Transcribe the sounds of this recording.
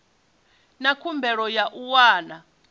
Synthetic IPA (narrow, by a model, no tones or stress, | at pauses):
nakʰumbʱɛɺɔjaʔuwaːna